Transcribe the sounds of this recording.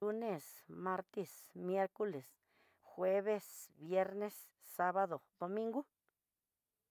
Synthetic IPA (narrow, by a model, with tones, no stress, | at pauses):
u˧ne˧˨sma˧ɾt̪i˦˧smje˦ɾko˦le˨s | xwe˦βe˦sbje˧˦ɾne˦sː | a˧βa˦d̪o˨d̪o˨˧mĩ˦ŋɡu˦